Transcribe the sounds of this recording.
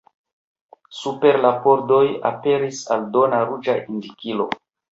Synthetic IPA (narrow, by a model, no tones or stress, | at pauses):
supe̞ɾlapo̞ɾdo̞ja̰pe̞ɾisaldo̞naɾud͡ʒaʔindikilo̞̰